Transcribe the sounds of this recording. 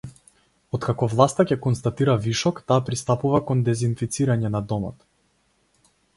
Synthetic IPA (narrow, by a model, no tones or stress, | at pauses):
ɔt̪kakɔvlˠast̪acɛkɔnst̪at̪iɾaviʃɔkt̪aːpɾist̪apuvakɔnd̪ɛzinfit̪siɾaɲɛnad̪ɔmɔ̰t̪